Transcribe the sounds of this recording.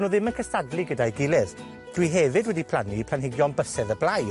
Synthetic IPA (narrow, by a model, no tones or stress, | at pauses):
noːðɪmənkʰəstadliɡədajɡɪlˠɛð | d̥wiɦɛvɨdwɛdipʰl̥ˠanipʰlˠanɦɪɡjɔnbəsɛðəblˠaj